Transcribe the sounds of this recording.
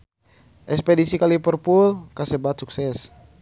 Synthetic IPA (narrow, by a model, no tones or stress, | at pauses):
ʔɛkspɛdisikalipərpulkasɛbat̪suksɛs